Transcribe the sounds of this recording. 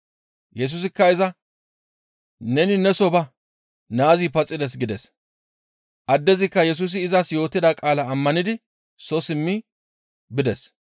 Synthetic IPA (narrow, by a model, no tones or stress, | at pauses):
jɛs̬uːs̬ɪkːɐɪzɐ | nɛnɪnɛsɔbɐ | naːzipɐt͡sʼːɪd̪ɛs̬ɡɪd̪ɛs | ʔɐd̪ːɛzɪkːɐjɛs̬uːs̬ɪːzɐsjo̞ːt̪ːɪd̪akʼaːlɐːmːɐnɪd̪ɪ | sɔsɪmːɪ | bɪd̪ɛs